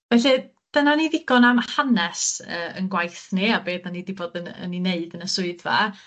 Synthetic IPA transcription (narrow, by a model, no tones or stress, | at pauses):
vɛɬɨ | d̥ənaniðɪɡ̥ɔnamhanɛsəːənɡwajθniabeːdanidiboːdənə̰nineɨdənəsʊɨdva̰